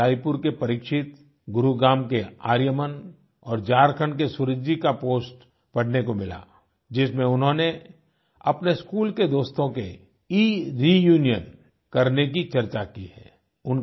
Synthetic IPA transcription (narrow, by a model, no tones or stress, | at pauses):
aːipʊɾkepɐɾiːkʃɪt̪ | ɡʊɾuɡaːmkeaːɾjəmən | ɔːɾd͡ʒaːɾkʰəɳk̬esʊɾɪd͡ʒikapoːsʈ | pɐɽ̤nekomɪla̰ː | d͡ʒɪsmẽʊnɦõne | ɐpneskuːlked̪oːst̪õke | iːɾijuːnijən | kɐɾnek̬it͡ʃɐɾt͡ʃakiɦɛ̰ː | ʊn